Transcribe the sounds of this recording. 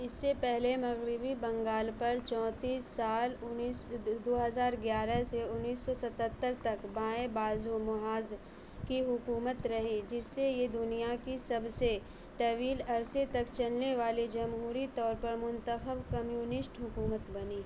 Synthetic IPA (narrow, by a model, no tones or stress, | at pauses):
ɪsːepɛɦlemɐɣɾɪbibɐ̃ŋɡaːlpɐɾt͡ʃɔ̃ːt̪iːsːaːlʊnsd̪oːɦɐzaːɾɡjaːɾəseʊnːiːsːɔsɐt̪ət̪ːəɾt̪ɐkbãːebaːzumʊɦaːz | kiɦʊkuːmət̪ɾɐɦid͡ʒɪsːejed̪ʊnijakisɐbse | t̪ɐʋiːlɐɾset̪ɐkt͡ʃɐlneʋaːlid͡ʒɐmɦuːɾit̪ɔːɾpɐɾmʊ̃nt̪əxəbkɐmjuːnɪsʈɦʊkuːmət̪bɐniː